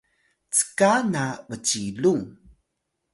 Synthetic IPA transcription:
t͡sə̥kanavət͡ɕilu

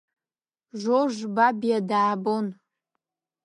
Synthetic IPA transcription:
ʒʷoʒbabijadaːbon

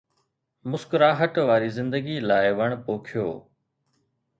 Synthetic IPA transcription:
mʊskɾaːɦəʈʋaːɾiːzɪ̃nd̪əɡiːlaːɪʋəɳ̃poːkʰɪjoː

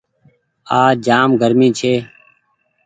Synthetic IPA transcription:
aːd͡ʒaːmɡʱəɾmĩːt͡ʃʰeː

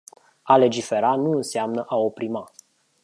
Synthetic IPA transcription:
ale̞d͡ʒife̞ɾanuɨnseamnəʔao̞pɾima

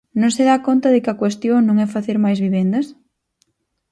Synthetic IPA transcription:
nõŋsɪðakont̪ɐðɪkɪɐkwest̪joŋnõŋɛfaθeɾmajzβiβ̞ɛnd̪ɐs

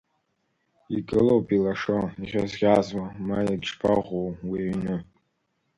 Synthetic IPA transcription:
ikʼɨlowpʼilaʂoiʁʲazɡʲazwamajaɡʲʂpʰaʁʷowwiɥnɨ

